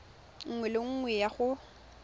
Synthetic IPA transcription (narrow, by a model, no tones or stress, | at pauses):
ŋ̩ŋwɛlɪŋ̩ŋwɛjaχʊ